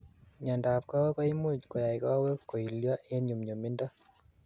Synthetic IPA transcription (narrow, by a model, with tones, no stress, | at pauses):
ɲa˨nda˨p̚ka˦we˦kɔ˦i˦mu˦cko˨ja˨i˨ka˦we˦ko˨i˨lja˦ʔe˦ɲu˨mɲo˨mi˦nda˦